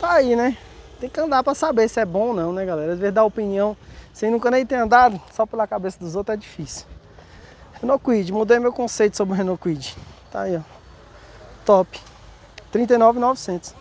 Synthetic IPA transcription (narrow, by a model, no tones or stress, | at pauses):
t̪ainɛ | t̪ẽj̃kɪɐ̃d̪apɾɐsabesɪɛbõonɐ̃w̃nɛɡalɛɾɐd̪ɪveɾd̪aopiniɐ̃w̃sẽj̃nũkɐnẽj̃t̪ẽj̃ɐ̃nd̪ad̪ʊsɔpelɐkabesɐd̪ʊzowt̪ɾzɛd͡ʒifisiw | hẽnokwid͡ʒɪmud̪ejmewkõsejt̪ʊsobɾɪɦẽnokwid͡ʒɪt̪a̰iɔ | t̪ɔpɪ̥ | t̪ɾĩnt̪ɐjnɔvɪnɔvisẽt̪ʊ̥s